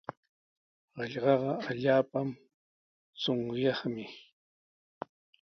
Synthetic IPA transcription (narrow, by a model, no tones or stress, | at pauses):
ɢɑʎɢɑɢɑaʎaːpam | t͡sʊŋjɑχmɪ